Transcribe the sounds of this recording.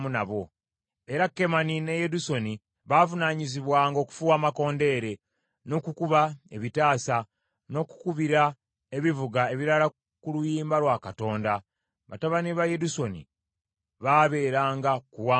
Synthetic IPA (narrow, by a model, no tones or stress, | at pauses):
munaβo̞ | e̞ɾakːe̞manine̞jeduso̞ni | βavunaɲiziβwaːŋɡo̞ːku̥fuwaːmako̞ːnde̞ːɾe̞ | no̞ːkukuβaeβitaːsa | no̞ːku̥kuβiɾa | e̞βivuɡae̞βiɾala | kulujiːmbalwakato̞ːnda | βa̰taβaniβaje̞duso̞nḭ | βaβe̞ːɾaːŋɡakuwaː